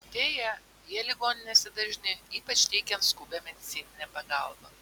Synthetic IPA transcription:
d̪ʲeːjɛ | jiɛlʲɪɡoːnʲɪnʲeːsʲɛd̪ɐʒʲnʲɪiːpɐt͡ʃʲt̪ʲɛɪkʲɛnt̪skuːbʲɛmʲɛd̪ʲɪt̪sʲiːnʲɪnʲɛpɐɡɐˑlˠbɐ

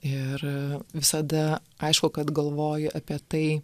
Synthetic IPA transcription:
ɪrʋʲɪsɐd̪ɐɐɪʃkʊkɐt̪ɡɐlˠʋoːjʊʔɐpʲiɛt̪ɐɪ

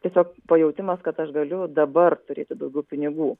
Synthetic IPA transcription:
t̪ʲiɛsʲoːk̚pɐjɛʊt̪ʲɪmɐskɐt̪ɐʃɡɐlʲʊd̪ɐbɐrt̪ʊɾʲeːt̪ʲɪd̪ɐʊɡʲɛʊpʲɪnʲɪɡuː

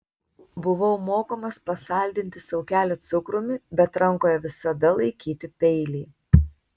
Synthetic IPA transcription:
bʊʋɐʊmoːkoːmɐspɐsɐˑlʲd̪ʲɪnʲt̪ʲɪsɐʊkʲæːlʲot̪sʊkɾʊmʲɪbʲɛt̪ɾɐŋˑkoːjɛʋʲɪsɐd̪ɐlˠɐɪkʲiːt̪ʲɪpʲɛɪlʲiː

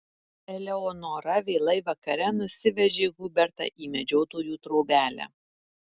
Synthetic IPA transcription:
ɛlʲɛɔːnoːɾɐʋʲeːlˠɐɪʋɐkɐɾʲɛnʊsʲɪʋʲɛʒʲeːɡʊbʲɛɾt̪ɐ̰ʔiːmʲɛd͡ʒʲɛʊt̪oːjuːt̪ɾɔʊbʲæːlʲæ̰

